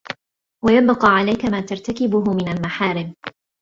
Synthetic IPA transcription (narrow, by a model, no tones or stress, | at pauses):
wajabqɑːʕalajkamaːt̪aɾˤt̪akɪbʊɦʊmɪnalmaħaːɾɪm